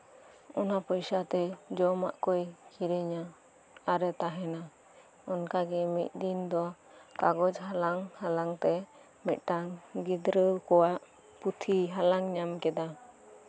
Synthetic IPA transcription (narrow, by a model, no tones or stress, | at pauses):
ɔnapɔjsat̪ɛd͡ʒɔma̰ʔkɔjkʰiɾɛɲa | aɾɛt̪aɦɛna | ɔnkaɡɛmḭt̪̚ˀd̪ind̪ɔ | kaɡɔd͡ʒhalaŋhalaŋt̪ɛ | mɛt̪̚ʈaŋɡid̪ɾəkɔwaʔ | put̪ʰiɦalaŋɲamkɛd̪a